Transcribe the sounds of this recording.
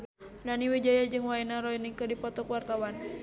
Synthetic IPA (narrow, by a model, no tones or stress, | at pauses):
naniwed͡ʒajad͡ʒɨŋwainaɾɔinikədipɔt̪ɔkwart̪awan